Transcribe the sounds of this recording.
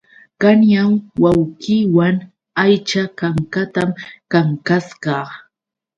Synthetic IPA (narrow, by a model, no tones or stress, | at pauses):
kanjamwawɢiwaŋ | ajt͡ʃakaŋkat̪amkaŋkasɢɑ